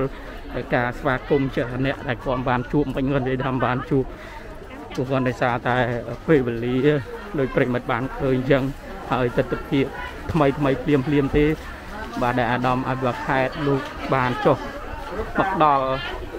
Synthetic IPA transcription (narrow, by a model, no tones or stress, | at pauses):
l | ʔəːkaːsʋaːkumt͡ɕiəhnɛ̆əʔɗaɛlkʰŏəmɓaːnt͡ɕuəp̚mɨɲkŏənjəəjt̪ʰaːɓaːnt͡ɕuəp̚ | kɔkɔ̆ənɗaɔjsaːt̪aɛəpeːʋeːliəɗoːc̚prɛːjimət̪̚ɓaːnkʰəːɲɲt͡ɕəŋ | haəjt̪ɨt̪ːapʰiəp̚ | t̪ʰməjt̪ʰməjpʰliəmpʰliəmt̪eː | ɓaːɗaɛlʔaːɗɑmʔa̰pʰiʋakʰaɛt̪̚loːk̚ɓaːnt͡ɕoh | mɔk̚ːəɗɑl